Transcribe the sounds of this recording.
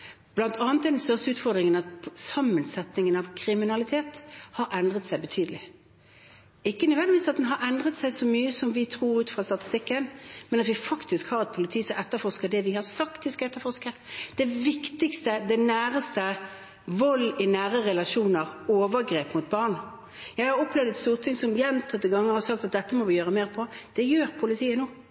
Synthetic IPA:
b̥lɑnt̪ʰɑːnt̪ːɛɪd̪nst̪œʁsəʉːt̪fɔɾd̪ʁɪŋənɑt̪̚ʰsɑmːənsɛt̪nɪŋənɑʋkʰɾɪmɪnɑlɪt̪ʰeːt̪hɑɾʔɛnd̪ʁət̪sæɪbət̪ʰyːd̪əlɪ | ɪkːənœʋɛnd̪ɪʋiːsɑt̪̚d̪ɛnɦɑɾɛnd̪ʁət̪sæɪsɔmyːəsɔmʋɪt̪ʰʁuːɾʉːt̪fɾɑst̪ɑt̪ɪ̥st̪ɪkːənmɛnɑt̪ʋɪfɑkt̪ɪskhɑːʁɛt̪̚pʰʊlɪt̪ʰiːsɔɛt̪ːəfɔʁskəd̪ɛʋɪhɑʁsɑkt̪ɪskɛt̪ːəɾfɔʁskəɾd̪̥ɛʋɪkt̪ɪkst̪əd̪ɛnæːʁəst̪ə | ʋɔlːɪnæːɾəɾɛlɑʂuːnəʁoːʋəɾɡɾeːpmʊt̪̚bɑʁn | jæɪhɑɾɔpːlɛʋd̪ɛt̪st̪uːʁt̪ʰɪŋsɔmjɛnt̪ʰɑt̪ːɪɡɑŋːəʁhɑɔsɑk̚t̪ɑt̪̚d̪ɛt̪ːəmɔʋɪjøːʁɾəmeːʁpʰɔd̪̥ɛjøːɾpʰʊlɪt̪ʰiːənuː

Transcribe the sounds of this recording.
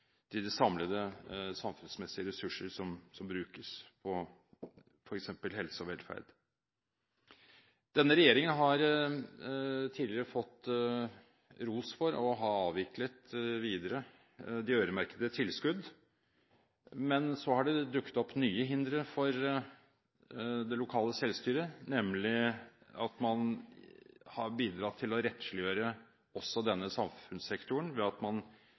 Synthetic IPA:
d̪̥ɪd̪ɛsɑmləd̪əsɑmfʉnsmɛsɪəɾɛsʉʂəɾʂɔmsɔmbɾʉːkəspʰɔ | fɔɾɛksɛmpəlhɛlsəɔʋɛlfæ̰ɾɖ̪ | d̪̥ɛnːəɾɛjeːɾɪŋənɦɑɾ | t̪ʰiːd̪ləɾəfɔt̪ː | ɾuːsfɔɾɔɦɑɑːʋɪklət̪ʋiːd̪əɾə | d̪ɛøːɾəmæɾkəd̪ət̪ʰɪlskʉd̪ | mɛnsɔhɑɖɛd̪ʉkːə̥t̪ɔpːnyːəɦɪnd̪ɾəfɔɾ | d̪ɛlʊkʰɑːləsɛlst̪yːɾənɛmlɪɑt̪mɑn | hɑɾbiːd̪ɾɑt̪ʰːɪlɔɾɛt̪ʃlɪøːɾə | ɔsːɔd̪ɛnːəsɑmfʉnsɛkt̪ʰʊəɳʋɛɑt̪mɑn

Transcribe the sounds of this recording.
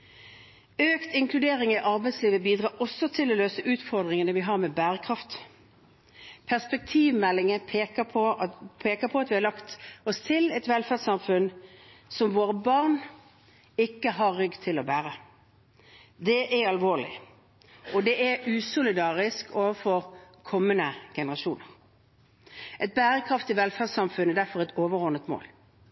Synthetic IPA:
øːkt̪ɪŋkʰlʉd̪eːɾɪŋɪʔɑɾbɛɪt̪sliːʋəbiːd̪ɾɑːɔsːɔt̪ʰɪlɔːløːsəʔʉːt̪fɔʁd̪ʁɪŋənəʋɪɦɑɾmɛbæːɾəkʰʁɑft̪ | pʰæspɛk̚t̪ʰiːʋmɛlːɪŋəpʰːəpʰɔpʰeːkəpʰɔɑt̪ʋɪhɑlɑkt̪ɔst̪ʰɪlɛt̪ʋɛlfæːdsɑmfʉnsɔmʋoːɾəbɑʁn | ɪkːəɦɑːʏɡt̪ʰɪlɔbæːɾə | d̪ɛʔɛɾɑlʋoːlɪ̰ | ɔd̪ɛʔɛʉːsʊlɪd̪ɑːʁɪskʰoːʋəfɔɾkʰɔmːənəɡ̥ɛnəʁɑʃuːnəʁ | ʔɛt̪̚bæːɾəkʰʁɑft̪ɪʋɛlfæːʁd̪sɑmfʉnɛd̪æʁfɔʁɛt̪oːʋəʁɔʁnət̪mo̰ːl

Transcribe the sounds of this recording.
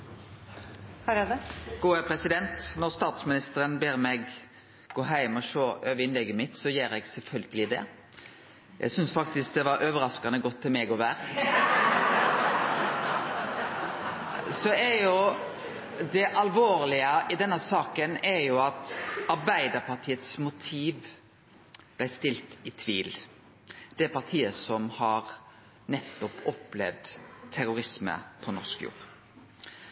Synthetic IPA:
hɾɡ̥uːəpʰɾɛsɪd̪ɛnt̪nɔɾst̪ɑːt̪smɪnɪst̪əɾənbeːɾmɛɡ | ɡoːɦæɪmɔʃoːʔøːʋəɪnlɛɡːəmɪt̪sɔjeːɾɛɡsɛlfœlɡəlɪd̪ɛ̰ | jʔæ̰ɪsʏnsfɑk̚t̪ɪsk̚d̪ɛʋɑɾʔøːʋəɾɑskɑnəɡɔt̪ʰːɪlmɛɡɔʋæːɾ | sɔɛɾjʊ | d̪ɛʔɑlʋoːɾlɪəʔɪd̪ɛnːəsɑːkənɛɾjʊɑt̪ɑɾbæɪd̪əɾpʰɑʁt̪ʰiːət̪smʊt̪ʰiːʋ | b̥læɪst̪ɪlt̪ɪt̪ʰʋiːl | d̪̥ɛpʰɑʁt̪ʰiːəsɔmhɑɾ | nɛt̪ːɔpɔplɛ̰ʋd̪t̪ʰːæɾʊɾɪsmə̰pʰɔnɔɾskjṵːɾ

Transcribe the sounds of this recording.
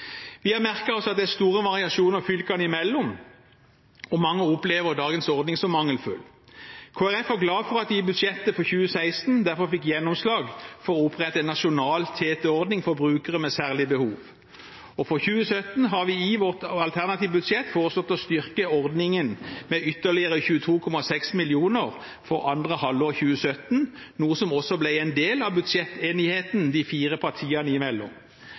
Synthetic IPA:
ʋɪæmæʁkɑɔsɑt̪̚d̪ɛæʁst̪uːʁəʋɑʁɪɑʂuːnəʁfʏlkɑnɪmɛlːɔm | ɔmɑŋːəʊpleːʋəʁd̪ɑːɡənsɔʁd̪nɪŋsɔmːɑŋəlfʉ̰l | kʰoːæʁɛfæɡlɑːfɔʁɑt̪ʋɪɪbʉd̪ʂjɛt̪ːəfɔçʉːəsæɪst̪nd̪æʁfɔfɪkːjɛnːɔmslɑːɡfɔʁɔʊpʁɛt̪ːɑɛnnɑʂʊnɑːlt̪ʰeːt̪ɛɔʁd̪nɪŋfɔʁbʁʉːkəʁəmɛsæːʁlɪbəhuːʋ | ɔfɔʁçʉːəsœt̪n̩ɦɑʁʋɪɪʋɔʁt̪ɑlt̪ʰæʁnɑt̪iːʋbʉd̪sjɛt̪ːfoːʁəsɔt̪ːɔst̪ʏʁkəɔʁd̪nɪŋənmɛʏt̪ːəʁlɪəʁəçʉːət̪ʰuːkʰɔmɑsɛksmɪljuːnəʁ | fɔʁɑnd̪ʁəhɑloːʁçʉːəsœt̪n | nuːsɔmɔsːɔblæɪɛɪnd̪eːlɑʋbʉd̪sɛt̪ːeːnɪheːt̪nd̪ɪfiːʁəpʰɑʁt̪ʰiːɑnəɪmɛlːɔ̰m

